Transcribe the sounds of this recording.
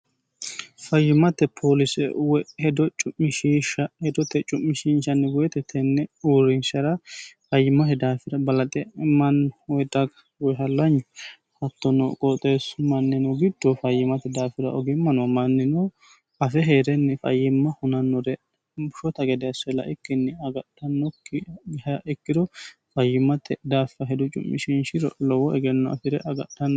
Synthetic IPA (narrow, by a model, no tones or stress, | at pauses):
fɐjːɪmɐt̪ːɛpʰoːlɪsɛ̰wɔhɛd̪ɔt͡ʃʼʊmːɪʃiːʃɐhɛd̪ɔt̪ːɛt͡ʃʼʊmːɪʃinʃɐnːɛwɔjɛt̪ɛt̪ʰːɛnːɛuːɾɪnʃɐɾɐfɐjːɪmːɐhɛd̪aːfɪɾɐbɐlɐt̪ʼɛɪmːɐnwɔjd̪ɐɡɐ | wɔjɦɐlːɐɲːʊ | hɐt̪ːɔnɔ̰kʼɔt̪ʼeːsmɐnːɪnɔɡɪd̪ːɔfɐjːɪmɐt̪ːɛd̪aːfɪɾɐʔɔɡɪmːɐnɔmɐnːɪnɔ | ɐfɛɦeːɾɛnːɪfɐ̰jɪmːɐhʊnɐnːɔɾɛ | bʊʃɔt̪ɐɡɛd̪ɛɐsɛlɐ̰ʔɪkːɪnːɪɐɡɐɗːɐnːɔkːhɐɪkːɪd̪ɔfɐjːɪmɐt̪ːɛd̪aːfɐɦɛd̪ʊt͡ʃʼʊ̰mːɪʃɪnʃɪɾɔlɔwɔɛɡɛnːɔɐ̰fɪɾɛʔɐɡɐ̰ɗːɐnː